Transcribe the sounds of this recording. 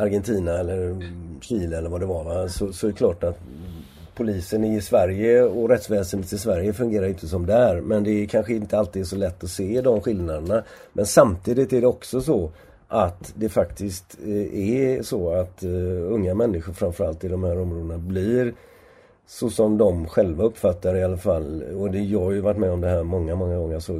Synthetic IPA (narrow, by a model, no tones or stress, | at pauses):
aɾɡɛnt̪ʰiːnaɛlːəɾɕiːləɛlːəɾvad̪ɛvaɾvasɔsɔɛklɑːʈat̪ | pʰʊliːsənɪɪsvæɾjəɔɾɛt̪svɛːsənheːt̪ɪsvæɾjəfɵŋɡeːɾaɾjʏɪnt̪ːəsɔmd̪ɛæɾmɛnd̪ɛkʰanɧəɪnt̪əalt̪iːd̪sɔlɛt̪ːɔseːd̪ɔmɧɪlnad̪əɳa | mʔɛnsamt̪ʰiːd̪ɪt̪æɖɛɔksɔsɔ | ʔat̪d̪ɛfakt̪ʰɪst̪ɛsɔat̪ɵŋːamɛnːɪɧʊɾfɾamfœɾalt̪ɪd̪ɔmhæːɾɔmɾoːd̪ənabliɾ | sɔsɔmd̪ɔmɧɛlvaɵpːfat̪ːaɾɪalːafalːɔd̪ɛjɑhajɵvaʈːmɛɔmd̪ɛhæːɾmɔŋːamɔŋːaɡɔŋːəsɔ